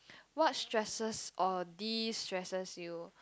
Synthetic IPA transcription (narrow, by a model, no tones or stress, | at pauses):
wɔt̚stɹɛsəsʔɔdistɹɛsəsju